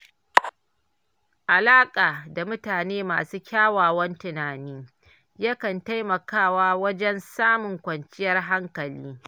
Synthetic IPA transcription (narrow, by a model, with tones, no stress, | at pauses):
ʔa˨laː˦kʼaː˨da˨mʊ˦taː˨neː˦ma̰ː˨suː˦kʲaː˦waː˨wɐ˦ntɪ˨naː˨niː˦ | jɐ˦kɐ˨nta˦jmɐ˨kaː˦˨waː˦wɐ˦d͡ʒɛ˦nsaː˦mʊ˨ŋkʷɐ˨nt͡ʃɪ˦jɐ˦rɦa˦ŋkɐ˨liː˦